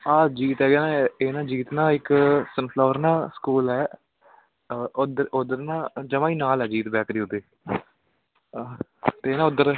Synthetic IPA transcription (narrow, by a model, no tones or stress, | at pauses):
aːd͡ʒiːt̪ɛːɡjːnãeːnãːd͡ʒiːt̪nãːɪksənpʰlaːʋəɾnãːsə̥kuːlɛː | d̪ʊd̪əɾnãːd͡ʒəmãːiːnaːlɛːd͡ʒiːt̪bɛːkɾiːʊd̪eː | t̪eeːnãːʊd̪əɾ